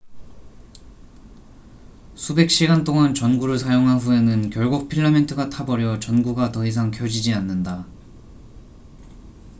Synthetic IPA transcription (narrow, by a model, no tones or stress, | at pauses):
sʰube̞k̚ɕ͈iɡant͈oŋant͡ɕʌnɡuɾɯɭsʰajoŋɦaɸue̞nɯnkjʌɭɡuk̚pʰiɭːamentʰɯɡatʰabʌɾjʌt͡ɕʌnɡuɡatʌɦis̬ʰaŋkʰjʌd͡ʑid͡ʑianːɯnda